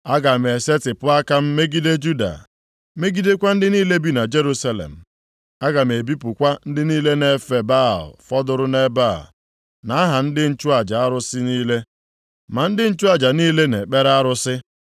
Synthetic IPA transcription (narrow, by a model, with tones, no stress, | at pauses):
a˦ɡa˨m˨e˨se˦tɪ˨pʊ˦a˦ka˦m̩˦me˦ɡi˦de˦d͡ʒu˦da̰˨ | me˦ɡi˦de˦kʷa˦n̩˦dɪ˦niː˦le˦bi˦na˨d͡ʒe˦ɾu˦sa˦lḛ˨m̩˨ | a˦ɡa˨m˨e˨bi˦pʊ˨kʷa˦n̩˦dɪ˦niː˦le˦ne˨fe˨ba˦˨lfɔ˦dʊ˨ɾʊ˦ne˦ba˦˨l | na˨a˦ɦa˨n̩˦dɪ˦n̩˦t͡ʃʊ˦a˨d͡ʒa˨a˦ɾʊ˦sɪ˦niː˦le˦ | ma˨n̩˦dɪ˦n̩˦t͡ʃu˦a˨d͡ʒa˨niː˦le˦ne˨k͡pe˦ɾa˦ɾʊ˦sɪ˦